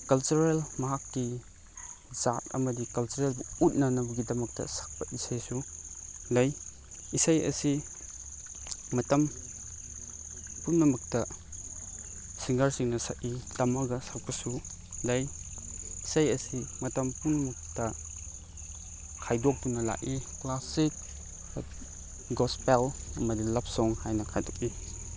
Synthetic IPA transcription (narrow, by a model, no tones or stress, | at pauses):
kɐlt͡ʃuɾelmɐɦakːi | zat̚ɐ̰mɐdikɐlt͡ʃuɾelbuut̚nɐnɐbuɡidɐmɐk̚tɐ̰sḁk̚pɐʔisajsu | lɐj | isajɐ̰si | mɐtɐm | punnɐmɐk̚tɐ | siŋɡɐɾsiŋnɐsaʔitɐmɐɡɐsawkʰɐsu | lɐj | isɐjɐsimɐtɐmpunɐmɐk̚tɐ | kʰajdɔk̚tunɐla̰ʔiklasik̚ | ɡɔspelɐmɐdilɐp̚sɔŋhajnɐkʰajdɔk̚i